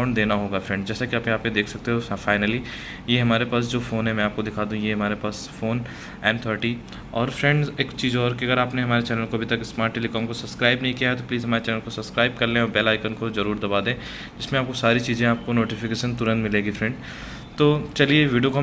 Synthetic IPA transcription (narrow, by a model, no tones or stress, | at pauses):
ʊ̃ɳɖd̪eːnaɦoːɡafɾɛ̃ɳɖd͡ʒɛːsakiaːpẽaːpmẽd̪eːkʰsɐk̚t̪eɦɔːfaːɪnəli | jeɦɐmaːɾepaːs̬d͡ʒoːfoːnɦɛ̃mɛ̃aːp̚kod̪ɪkʰaːd̪ũũjeɦɐmaːɾepaːs | foːn | ɛ̃ːnt̪ʰəːɾʈi | ɔːɾfɾɛ̃ɳɖzeːkt͡ʃiːzɦɔːɾkiɐɡəɾaːpneɦɐmaːɾet͡ʃɛːnəlkoɐbʱit̪ɐksmaːɾʈːeːlikɔːmkosɐbskɾaːɪbnɐɦĩkijaɦɛt̪opliːzɦɐmaːɾet͡ʃɛːnəlkosɐbskɾaːɪb̚kɐɾlẽɔːɾbɛːlaːɪkənkozɐɾuːɾd̪ɐbaːd̪ẽː | d͡ʒɪsmẽaːp̚kosaːɾit͡ʃiːzẽaːp̚konoːʈɪfɪkeːʃənt̪ʊɾə̃nt̪mɪleːɡifɾɛ̃ɳɖ | t̪oːt͡ʃɐlieʋiːɖiokoɦ